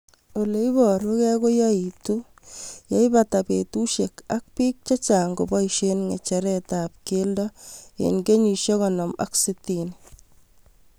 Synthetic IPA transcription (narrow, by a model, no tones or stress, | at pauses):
oleibɔɾukɛkojɔitu | jɔibatapetuʃekak̚piːk̚t͡ʃat͡ʃaŋɡobɔiʃenŋet͡ʃɛɾɛtap̚keldɔḛnɡeɲiʃjɔkɔnɔma̰ksitini